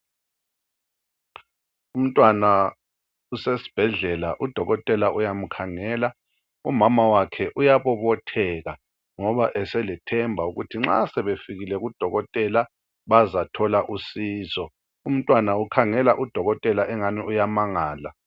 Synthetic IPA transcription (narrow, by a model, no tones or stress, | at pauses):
um̩tʼwana | usesi̥b̥ʱɛɮɛlaʔud̥ʱɔɣɔtʼɛlaʔujam̩kʰaŋɛːla | umamawakʰɛʔujaβɔβɔtʰɛɣa | ŋɔβaʔɛsɛlɛtʰɛmbʱauɣutʰiŋ͡ǁa̰sɛβefiɣilɛɣud̥ʱɔɣɔtʼɛla | βazatʰɔlaʔusiːzɔ | um̩tʼwanaukʰaŋɛlaʔud̥ʱɔɣɔtʼɛlaʔɛŋaniujamaŋaːla